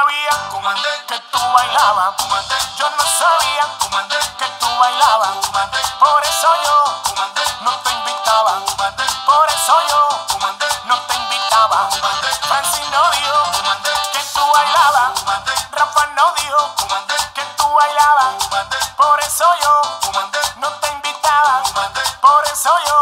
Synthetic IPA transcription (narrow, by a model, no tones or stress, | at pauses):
βiaŋket̪uwajlaβad͡ʒonmasaβiaŋket̪uwajlaβaŋpoɾesojo | nõt̪embit̪aβapoɾesojo | nõt̪eimbit̪aβafɾansinoðjo | ket̪uaʎaβaŋrafanoðjoket̪uaʎaβaŋpoɾesojo | nõt̪eimbit̪aβaŋpoɾesojo